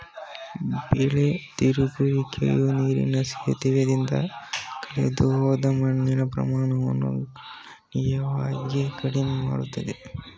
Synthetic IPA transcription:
beːlet̪iɾukuʋikḛjuniːɾḭnɐsijɐ̰t̪iʋɐd̪ind̪ɐ̰kɐɭḛd̪uoːd̪ɐmɐɳːinɐpɾɐ̰maːɳɐʋɐ̰nːṵ | nid͡ʒɐʋaːɡekɐɽinemaːɽut̪ːɐd̪e

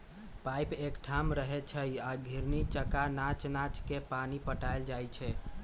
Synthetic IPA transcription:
pajpekʈʰamɾəɦɛt͡ʃʰəjaɡʱiɾnit͡ʃəkanat͡ʃnat͡ʃkepanipəʈajld͡ʒajt͡ʃʰɛ

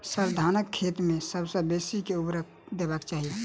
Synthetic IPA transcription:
səɾd̪ʱaːnəkʰːet̪mẽsəbsəbesikeubɾək̚ | d̪ebakt͡ʃaːɦie

